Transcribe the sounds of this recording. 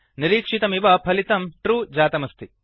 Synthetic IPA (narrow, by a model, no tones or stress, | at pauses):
niɾiːkʂit̪ɐmiʋɐpʰɐlit̪ɐmʈɾuːd͡ʒaːt̪ɐmɐst̪ʰi